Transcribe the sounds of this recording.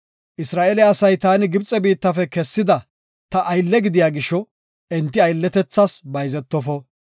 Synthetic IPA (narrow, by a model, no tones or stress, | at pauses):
ʔɪsɾaːʔeɛlɪɐsɐjt̪aːnɪɡɪbt͡sʼɛbiːt̪ːɐfɛkɛsːɪd̪ɐ | t̪ɐʔːjlːɛɡɪd̪ɪjaːɡɪʃːɔ | ʔɛnt̪ːɪɐjlːɛt̪ɛt͡sːɐsbɐjzɛt̪ːɔfɔ